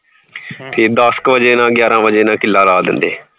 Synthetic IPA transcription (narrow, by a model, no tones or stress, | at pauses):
p̪ʰeːd̪əskʋəd͡ʒeːnãːɡjaːɾãːʋəd͡ʒeːnãːkɪlːaːlaːd̪ɪ̰nd̪eː